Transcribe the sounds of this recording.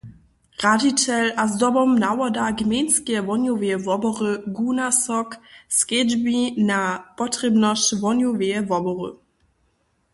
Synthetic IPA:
ʁaditɛlazdɔbɔmnawɔdaɡmʲenskɛvɔnjuvɛɛvɔbɔʁəɡunasɔkskɛd͡ʒbinapɔtʁ̥ɛbnɔʃtvɔnjuvɛɛvɔbɔʁə̰

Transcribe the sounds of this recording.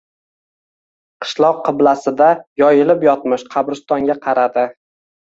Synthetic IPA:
qʰɨ̥ʃlˠɒqːɨblasɪd̪ajɒjɪlɪpjɒt̪̚mɪʃqʰɑbɾɪst̪ɒŋɡʲaqʰɑɾad̪ɪ

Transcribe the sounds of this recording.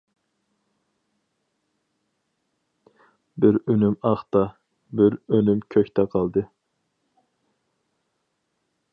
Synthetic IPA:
bɪɾønymɑχt̪ɑ | bɪɾønymkʲʰøkʲt̪ʰɛqʰɑlˠd̪ɨ

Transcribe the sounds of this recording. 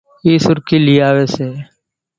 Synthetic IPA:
iːsʊɾkiːliːaːʋeːseː

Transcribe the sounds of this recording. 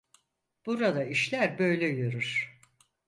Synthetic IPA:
b̥uɾad̪aiʃlʲæɾbø̞jlʲɛjøɾyɾ̥

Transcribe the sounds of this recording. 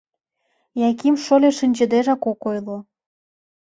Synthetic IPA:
jɑkimʃolʲeʃinʲd͡ʑə̆d̪eʒɑkokojlo

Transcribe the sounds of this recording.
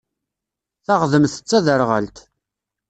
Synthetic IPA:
θaʁðəmθə̥t͡sːæðəɾʁə̰lt̪

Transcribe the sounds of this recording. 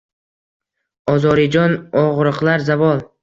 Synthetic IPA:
ɒzɒɾɪd͡ʒɒnɒʁɾɨqlˠaɾzavɒlˠ

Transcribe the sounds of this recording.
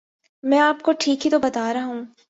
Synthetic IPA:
mɛ̃ːaːpkoʈʰiːkɦit̪obɐt̪aːɾɐɦũː

